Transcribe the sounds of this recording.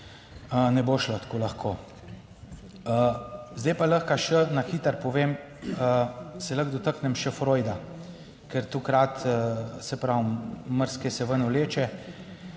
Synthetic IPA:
ənɛboːʃlət̪koːlaxkʰoː | əzd̪ɛjpaləxkaʃənaxiːt̪əɾpɔʋem | əsɛləɣd̪ɔt̪əknɛmʃɛfɾojd̪a | kɛɾt̪ukɾat̪sɛpɾawməɾskɛsɛʋənɔleːt͡ʃɛ

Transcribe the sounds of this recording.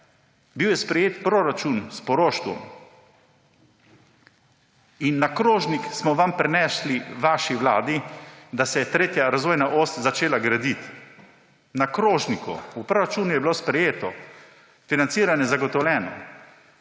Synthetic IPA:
biwjɛspɾɛjeːt̪pɾoɾat͡ʃunspɔɾoʃt̪ɔ̰m | inːakɾoːʒniksmɔʋampɾɛnɛːʃliʋaʃiʋlaːd̪id̪asɛjɛt̪ɾeːt̪jaɾazʋoːjnaʔoːst̪zat͡ʃeːlaɡɾad̪it̪ | nakɾoːʒnikṵupɾoːɾat͡ʃuːnujɛbiloːspɾɛjeːt̪ɔ | finant̪siːɾanjɛzaɡɔt̪ɔwlʲɛːnɔ̰

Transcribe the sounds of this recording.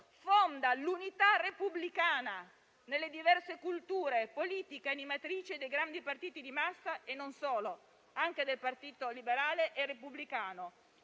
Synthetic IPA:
fond̪alunit̪arepublikaːna | nelːed̪ivɛrsekult̪uːɾepoliːt̪ikeanimat̪ɾiːt͡ʃed̪ejɡɾand̪ipart̪iːt̪id̪imasːaenːonsoːlo | aŋk̟ed̪elpart̪iːt̪olibeɾaːleʔerːepublikaːno

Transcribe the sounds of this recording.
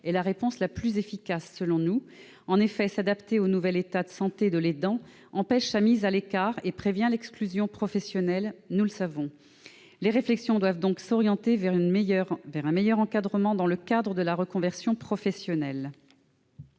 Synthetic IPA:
ɛlaʁepɔ̃slaplyzefikasːəlɔ̃nu | ɑ̃nefɛsad̪apt̪eonuvɛlet̪ad̪əsɑ̃t̪ed̪əled̪ɑ̃ | ɑ̃pɛʃsamizalekaʁepχevjɛ̃lɛksklyzjɔ̃pχɔfɛsjɔnɛlnuləsavɔ̃ | leʁeflɛksjɔ̃d̪wavd̪ɔ̃ksɔʁjɑ̃t̪evɛʁynʁvɛʁɛ̃mejœʁɑ̃kad̪ʁəmɑ̃d̪ɑ̃ləkad̪ʁəd̪əlaʁəkɔ̃vɛʁsjɔ̃pχɔfɛsjɔnɛl

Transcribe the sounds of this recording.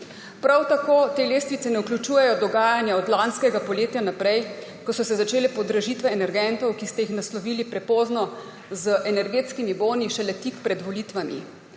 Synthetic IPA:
pɾawt̪akoːt̪eːleːst̪ʋit̪sɛnɛukljut͡ʃuːjɛjɔd̪ɔɡaːjanjaɔd̪lanskɛɡapɔleːt̪janapɾɛj | kɔsɔsɛzat͡ʃeːlɛpɔd̪ɾɐʒiːt̪ʋɛːnɛɾɡɛnt̪ɔwkist̪ɛjixnaslɔʋiːlipɾɛpoːznɔ | zəʔɛnɛɾɡeːt̪skimiboːniʃɛlɛt̪ikpɾɛd̪ʋɔliːt̪ʋamḭ

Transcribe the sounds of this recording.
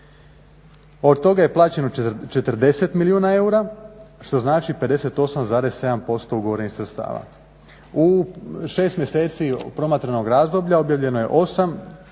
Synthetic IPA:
o̞d̪t̪o̞ɡaje̞plˠaːt͡ɕe̞not͡ʃe̞t̪rd̪e̞se̞t̪miliuːnae̞uɾaʃt̪o̞znaːt͡ʃipe̞d̪e̞se̞t̪o̞samzaːɾe̞sːe̞d̪ampo̞st̪o̞uɡoʋoɾenixsɾet̪st̪a̰ːʋa̰ | uʃe̞ːst̪mje̞se̞ːt̪sipɾo̞mat̪ɾeno̞ɡɾaːzd̪o̞bʎao̞bjaʋʎe̞noje̞ʔo̞sam

